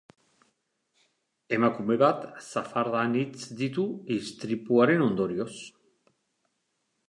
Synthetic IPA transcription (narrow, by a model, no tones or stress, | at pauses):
e̞makume̞βat̪safaɾðanit͡sd̪it̪̬uist̪ɾipuaɾe̞no̞nd̪o̞ɾio̞s